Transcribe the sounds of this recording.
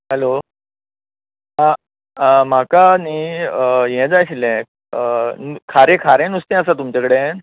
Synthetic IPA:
ɦəlo | ɦã | m̤akani | jɛ̃d͡zajɕlɛ̃ | nukʰaɾẽkʰaɾẽnust̪ẽəsat̪umt͡ɕakəɽe

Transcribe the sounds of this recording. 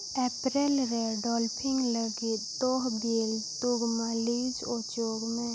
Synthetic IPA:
ɛpɾelɾeɖɔlpʰiŋləɡit̪̚t̪ɔɦbelt̪uɡmalid͡ʒɔt͡ʃoɡme

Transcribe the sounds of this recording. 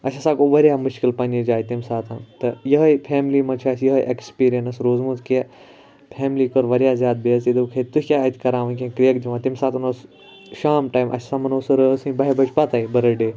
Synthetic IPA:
ɐsʰʲɐsaːkoʋɐɾʲjaːmʊʃkilpɐnd͡ʒed͡ʒaːjit̪imsaːt̪ʰɐnt̪ɐjɐɦɐjpʰeːmliːmɐt͡ʃʰaːsjɐɦɐjʔekspiːɾijɐnɐsɾoːzmuːt̪ke | pʰeːmliːkoɾʋɐɾijaːzʲjaːd̪̚beɐzid̪ukʰɐt̪ukʲaːjt̪ʲkɐɾãːʋɐnkʲẽkɾijɐkd͡ʒiʋãːt̪imsaːt̪ʰɐnɐs | ʃaːmʈaːjmʔɐ̰sʰɐ̥samɐnoːsɐɾəsĩbɐɦebɐt͡ʃʰpɐt̪aibɐɾɐɖeː

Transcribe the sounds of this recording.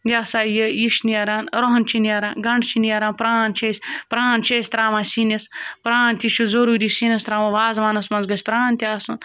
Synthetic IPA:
ɡʲaːsaːjəjiʃnijɐɾaːnɾoɦɐnt͡ʃʰiniɐɾaːnɡɐɳɖt͡ʃʰiniɐɾaːnpɾaːnt͡ʃʰeːsʲpɾaːnt͡ʃʰesʲt̪ɾaːʋãːsinɐspɾaːnt̪ʲiʃʰuzoɾuːɾisinʲɐst̪ɾaːʋɐ̃ʋaːzʋaːnɐsmɐnzɡɐsʲpɾaːnt̪ʲiaːsun

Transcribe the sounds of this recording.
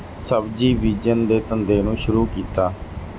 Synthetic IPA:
səbd͡ʒiːʋiːd͡ʒənd̪eːt̪ənd̪eːnũːʃʊɾuːkiːt̪aː

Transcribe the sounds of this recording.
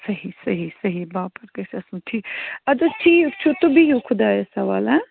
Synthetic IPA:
sɐɦisɐɦisɐɦibaːpɐɾkɐsɐsũʈ̪ʰiːɐd̪ɐʈʰiːt͡ʃʰut̪ːbijokʰʊd̪aːesɐʋa̰ːlɛ̃

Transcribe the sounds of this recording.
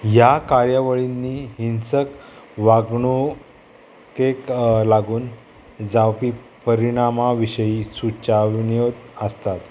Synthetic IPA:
jakaɾjəʋəɭinːiːɦinsəkʋaɡɳu | keklaɡuːn | d͡zawpiː | pəɾiɽ̃amaʋiɕəjiːsut͡ɕaʋnijot̪əst̪at̪

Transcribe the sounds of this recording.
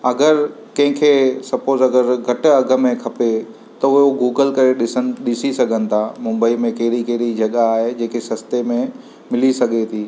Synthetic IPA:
ɐɡəɾ | kɐ̃ɦɪ̃kʰesɐpoːɾzɐɡəɾɡʱɐʈɐɡʱəmẽkʰɐpe | t̪ɐʊɦoɡuːɡəlkɐɾeɗɪsənɪ̆ɗɪsisɐɡʱənɪ̆t̪ʰamʊ̃mbəimẽkɐɾikeːɾid͡ʒɐɠaːɦed͡ʑeːkesɐst̪emẽ | mɪlisɐɠʱet̪ʰiː

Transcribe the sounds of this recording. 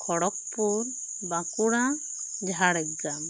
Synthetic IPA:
kʰɔɽɔk̚puɾ | bãkuɽã | d͡ʒɦaɽɛɡam

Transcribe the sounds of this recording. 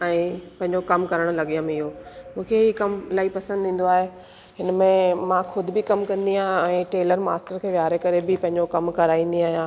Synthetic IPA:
ɛ̃ːpɐ̃ɦɪ̃ɲd͡ʑokɐmkɐɾəɽ̃ʊlɐɠijəmɪɦomũːkʰeɦiːkɐmlaːipɐsə̃nd̪ʱĩːn̆d̪oaːɦe | ɦɪnmẽmãxʊd̪ʱɪbɪkɐmkɐ̃nd̪iãɦɛ̃ːʈeːləɾma̰ːsʈəɾkʰeːʋjaːɾekɐɾebɪpɐ̃ɦɪ̃ɲd͡ʑokɐmkɐɾaːĩːn̆d̪iaːɦijãː

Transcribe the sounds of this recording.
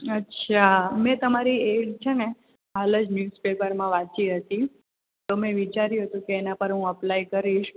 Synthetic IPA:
ətːɕʰamɛ̃t̪əmaɾieɽt͡ʃʰene | ɦaləd͡ʒnjuspepəɾmãʋat͡ʃiɦət̪i | t̪omɛ̃ʋit͡ʃaɾjũɦət̪ũkeːnapəɾɦũəplajkəɾiʃ

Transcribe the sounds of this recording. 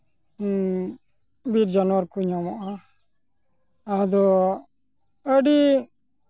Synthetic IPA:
biɾd͡ʒanɔwaɾkuɲɔmɔʔa | d̪ɔ | əɖi

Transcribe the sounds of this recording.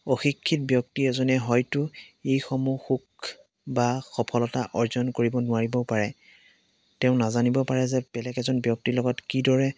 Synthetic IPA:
oxikʰːit̚bjɔk̚tiɛzɔnɛɦɔjtʊejxɔmuxuk | baxɔpʰɔlɔtaʔɔɹzɔnkoɹibɔnʊaɹibɔpaɹɛ | tɛʊ̃nazanibɔpaɹɛzɛb̥ɛlɛɡɛzɔnbjɔk̚tilɔɡɔtkidɔɹɛ

